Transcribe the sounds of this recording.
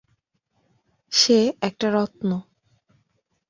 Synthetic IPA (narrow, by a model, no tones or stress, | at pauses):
ʃeɛk̚ʈaɾɔt̪no